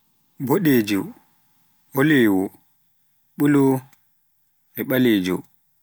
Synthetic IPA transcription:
boɗeːd͡ʒu | ɔleːwɔ | ɓulɔ | ɛɓaleːd͡ʒɔ̰

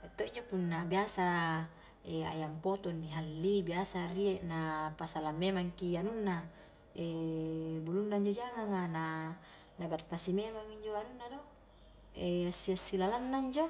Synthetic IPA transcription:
et̪ːoiɲd͡ʒopunːabiasa | ea̰jampot̪onːiɦalːibiasarieʔnapasalamːemaŋkianunːa | e | bulunːaiɲd͡ʒod͡ʒaŋaŋana | nabat̪ːasimemaŋiɲd͡ʒoanunːado | easːiasːilalanːaiɲd͡ʒo

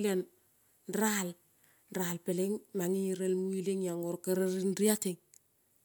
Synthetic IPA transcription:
len | nɾal | nɾalpɪlɪŋmaŋiɾelmuileŋjaŋɔɾkaɾəɾinɾijatɪŋ

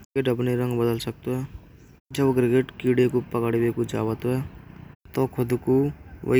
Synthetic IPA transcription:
eʈəpneɾə̃ŋɡbəd̪əlsək̚t̪oɦɛː | d͡ʒəbɡɾɪɡeʈkiɽekopəkəɽbekod͡ʒaːwət̪oɦɛːt̪ɔkʰʊd̪kowə̰

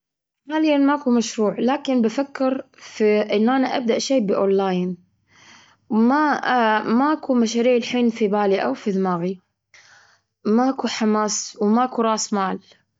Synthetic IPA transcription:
maːlɪjːanmaʔakumaʃɾuːʕlaːkɪnbafakːɪɾ | fiʔɪnːʔanaʔab̚d̪aʔʃeːbɪʔonːaːjn | wmaamaʔakumaʃaːɾiːʕɪlħiːnfibaːliʔa̰wfiðɪmaːɣi | maʔakuħamaːswmaʔakuɾˤɑːsmaːl

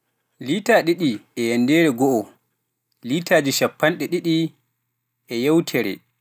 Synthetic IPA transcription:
liːtaːɗiɗiɛjɛndɛɾɛɡɔʔɔ | litaːd͡ʒiʃapːanɗɛɗiɗi | ʔɛjawtʰɛɾɛ̰

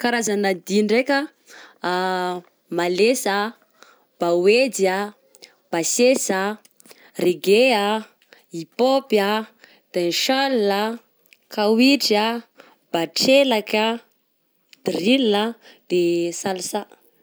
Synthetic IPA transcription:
kaɾazanad̪inɖ͡ʐekʲə | malesa | b̥aweda | b̥asesa | reɡea | ipopja | d̪̥enʃalna | kawiʈ͡ʂa | b̥aʈ͡ʂelaka | d̪rila | d̪̥esalsa

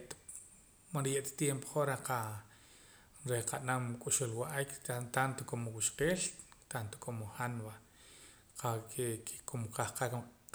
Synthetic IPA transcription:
ʔt̪ | manɾjeʔt̪ḁt̪jempo̥χoɾaqa | ɾeqanamkʼuʃulwaʔajkt̪ant̪okomowiʃqeːʃt̪ant̪o̥kʰomoχanba | qakekʰe̥komqahqak

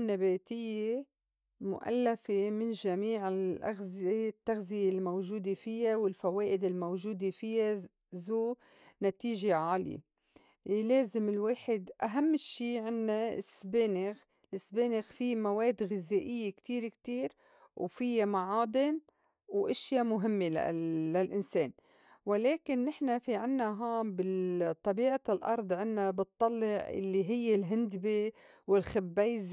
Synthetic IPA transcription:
nːabeːt̪ɪjːe | mʊ̰ʔa̰lːafemɪnʒamiːʕɪlʔa̰ɣzet̪ːaɣzɪjelmowʒuːd̪efɪjawɪlfaweːʔɪd̪ɪlmowʒuːd̪efɪjːa | zoː | nat̪iːʒeʕaːljḛ | leːzɪmɪlweːħɪd̪ʔaɦamːʃːiːʕɪnːaɪsbeːnɪɣ | lɪsːbeːnɪɣfimaweːd̪ɣɪzeːʔɪjːekt̪iːɾkt̪iːɾ | wfɪjːamaʕaːd̪ˤɪn | wʔɪʃjamʊɦɪmːela̰ːalʔɪnseːn | wɪleːkɪnːɪħnafiʕɪnːaɦaːmbɪt̪ˤːɑbiːʕalʔɑ̰ɾˤd̪ˤʕɪnːabɨt̪ˤːɑlːɪʕʔɪ̰lːiɦɪjːelɦɪnd̪bewɪlxɪbːeːz

